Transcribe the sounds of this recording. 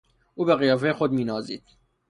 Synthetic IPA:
ʔuːbeɣijɒːfejexod̪miːnɒːzḭːd̪̥

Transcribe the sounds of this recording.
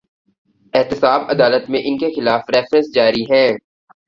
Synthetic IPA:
ɪɦt̪ɪsaːbɐd̪aːlət̪mẽʔɪnkexɪlaːfɾɛːfɾə̃nsd͡ʒaːɾiɦɛ̃ː

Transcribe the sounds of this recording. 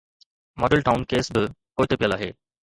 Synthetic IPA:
mɔɖəɭʈawnkesbəkojt̪epijəlaɦḛ

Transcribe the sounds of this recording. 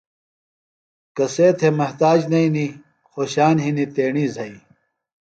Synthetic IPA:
kɐseːt̪ʰemɐht̪aːd͡ʑnɐini | xoːɕaːnɦinit̪eːɳiːzʱɐi

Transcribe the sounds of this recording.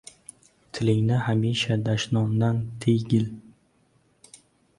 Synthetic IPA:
t̪ʰɪlɪŋnɪhamiʃad̪aʃnɒnd̪ant̪ʰejɡʲɪl

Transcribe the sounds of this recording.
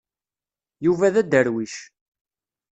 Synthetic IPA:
juvæðæd̪əɾwiʃ

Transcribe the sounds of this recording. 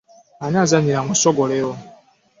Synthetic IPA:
aɲazaɲiɾaŋʷɔsɔɡɔɾeɾɔ

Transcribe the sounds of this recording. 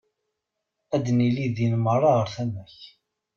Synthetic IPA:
æd̪niliðinmərˤːɑʁəɾθæmæç

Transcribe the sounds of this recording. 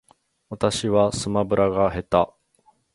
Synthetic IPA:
βat̪aɕiβasɨmabɯ̟ɾʔaɡaɦe̞t̪a

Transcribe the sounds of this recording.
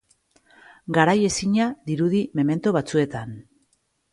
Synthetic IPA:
ɡaɾaje̞siɲaðiɾuðime̞me̞nt̪oβat͡sue̞t̪an

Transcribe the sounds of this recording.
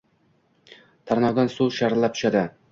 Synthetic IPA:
t̪ʰaɾnɒd̪ansuʃaɾt̪lˠap̚t̪ʰʊ̥ʃad̪ɪ

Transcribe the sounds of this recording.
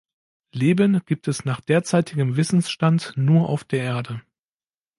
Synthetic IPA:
leːbənɡ̥iːp̚tʰɛsnaːχd̥eːɐt͡saɪtʰɪɡəmvɪsn̩sʃtantnuːɐʔa̰ʊfd̥eːɐʔeːɐdə

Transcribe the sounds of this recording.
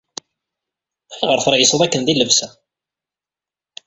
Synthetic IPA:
æʁəɾθəɾˤʕisˤəðˤækːənðilːəvsæ

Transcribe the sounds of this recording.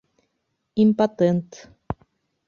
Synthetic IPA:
impat̪ent̪

